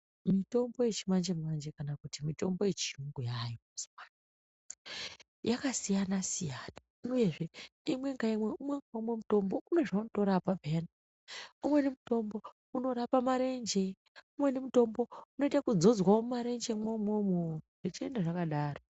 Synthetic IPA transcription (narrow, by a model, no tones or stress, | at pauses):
mito̞mbo̞je̞t͡ʃimand͡ʒemand͡ʒe̞kanakutimito̞mbo̞je̞t͡ʃiuŋɡujajoasi̥man | jakasijanasijaːna | uje̞ʐe̞imwe̞ŋɡaimwe̞umweŋɡaumwe̞muto̞mbo̞une̞ʐauntoɾapapena | umwe̞nemuto̞mbo̞ | uno̞ɾapamaɾe̞nd͡ʒe̞ | umwe̞nemuto̞mbo̞uno̞itakud͡zo̞d͡zwaomaɾe̞nd͡ʒemomomoʐ̥it͡ʃie̞ndaʐakaɗaːro